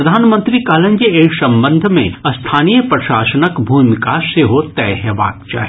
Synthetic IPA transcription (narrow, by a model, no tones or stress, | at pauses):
ɐd̪ʱaːnmə̃nt̪ɾikaːlə̃nd͡ʒieːsɐ̃mbə̃nd̪ʱmḛ̃ɐst̪ʰaːnijəpɾɐʃaːsənəkbʱuːmkaseɦot̪ɛːɦəʋa̰ːk̚t͡ʃa̰ːɦɛ